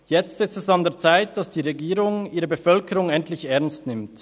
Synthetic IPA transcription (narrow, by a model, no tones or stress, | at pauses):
jɛt͡stɪstɛsɑndeːɐt͡saɪt̚d̥ɑsd̥iːʁeɡiːʁʊŋiːʁəbəfœlkəɾʊŋɛntlɪçɛɐnstnɪmt